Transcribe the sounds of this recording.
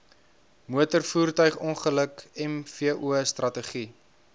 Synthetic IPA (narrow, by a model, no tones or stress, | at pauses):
muətərfuːrtœɥχɔnχələkɛmfiəʔuəstrɐtəχi